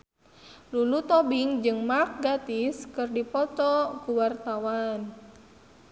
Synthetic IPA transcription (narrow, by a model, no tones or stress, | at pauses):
lulut̪ɔbiŋd͡ʒɨŋmak̚ɡat̪iskɨrdipɔt̪ɔkuwart̪awan